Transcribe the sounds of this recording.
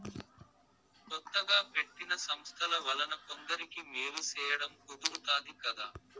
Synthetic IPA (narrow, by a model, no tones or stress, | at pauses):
kɔt̪ːɐɡaːpe̞ʈːinɐsɐmst̪ʰɐlɐʋɐlɐnɐkond̪ɐɾikimeːɾit͡ʃɛːjɐɽɐmkod̪uɾut̪aːd̪ikɐd̪aː